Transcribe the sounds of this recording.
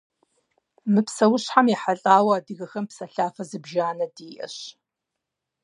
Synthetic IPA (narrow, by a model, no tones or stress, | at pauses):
mɨpsɐwʊɕħamjiħaɬʼaːwɐaːdɨɣɐxɐmpsɐɬaːfɐzɨbʒaːnɐdiːʔɐ̰ɕ